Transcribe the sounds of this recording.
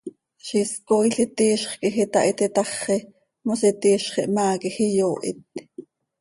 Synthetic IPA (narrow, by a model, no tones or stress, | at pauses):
ʃiskojɬit̪iːʃχkixit̪ɑʔit̪it̪ɑχːi | mosit̪iːʃχiʔmaːkixijoːʔḭt̪̚